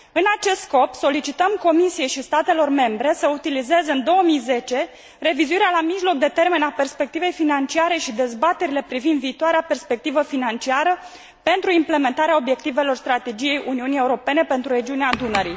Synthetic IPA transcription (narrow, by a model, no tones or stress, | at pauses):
ɨnat͡ʃe̞st̪sko̞pso̞lit͡ʃit̪əmko̞misije̞jʃist̪at̪e̞lo̞rme̞mbɾe̞səut̪ilize̞zɨnd̪o̞wəmijze̞t͡ʃe̞ | re̞vizuiɾealamiʒlo̞k̚d̪e̞t̪e̞rme̞nape̞rspe̞k̚t̪ive̞jfinant͡ʃiaɾe̞ʃid̪e̞zbat̪e̞ɾile̞pɾivind̪viːt̪oaɾeape̞rspe̞k̚t̪ivəfinant͡ʃiaɾə | pe̞nt̪ɾuimple̞me̞nt̪aɾeao̞bje̞k̚t̪ive̞lo̞rst̪ɾat̪e̞d͡ʒije̞jʔuniunije̞uɾo̞pe̞ne̞pe̞nt̪ɾuɾe̞d͡ʒiuneaːd̪unəɾi